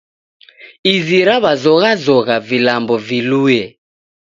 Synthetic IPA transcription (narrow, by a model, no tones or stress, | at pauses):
iziɾaβazɔɣazɔɣavilambɔviluːjɛ